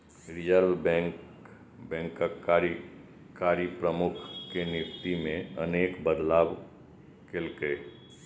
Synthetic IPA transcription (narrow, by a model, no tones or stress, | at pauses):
ɾɪd͡ʒəɾʋbɛ̃k | bɛ̃ːŋkəaɾ | kaːɾipɾəmʊkʰkenɪʃt̪imẽəneːkbəd̪laːb | kɪlke